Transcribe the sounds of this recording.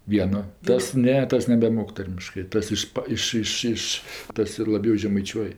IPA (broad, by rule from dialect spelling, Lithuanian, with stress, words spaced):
ˈʋʲiɛnoː ˈtɐs ˈnʲɛ ˈtɐs nʲɛbʲɛˈmoːk ˈtɐrʲmʲɪʃkɜ ˈtɐs ˈɪʃpɐ ˈɪʃ ˈɪʃ ˈɪʃ ˈtɐs ɪr lˠɐˈbʲɛʊ ʒʲɛmɐɪˈt͡ʃʲuɔj